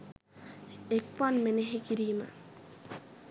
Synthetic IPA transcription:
ekpanmeneɦekiɾiːma̰

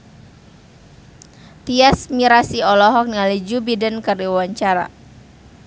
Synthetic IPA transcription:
t̪iasmiɾasiɔlɔɦɔk̚nialid͡ʒubidənkardiawaɲt͡ʃaɾa̰

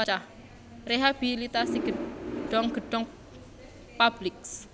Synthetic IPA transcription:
t͡ʃah | reɦab̥ilit̪asiɡ̥əɖ̥ɔŋɡ̥əɖ̥ɔŋ | pab̥lɪks

